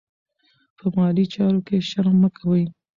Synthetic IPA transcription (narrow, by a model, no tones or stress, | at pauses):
pʰəmɑlit͡ʃɑɾokeʃaɾmːəkʰawəj